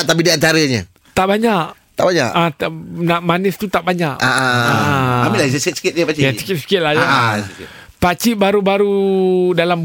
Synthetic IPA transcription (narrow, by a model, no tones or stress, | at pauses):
t̪apidiant̪aɾəɲə̰ | t̪aʔbaɲaʔt̪a̰ʔbaɲa̰ʔat̪naʔmanɪst̪ut̪aʔbaɲaʔaʔaaʔaambilassɪt̪̚si̥kɪt̪̚ɲapat͡ʃɪasi̥kɪt̪̚si̥kɪt̪̚laja | pat͡ʃɪʔbaɾubaɾudalam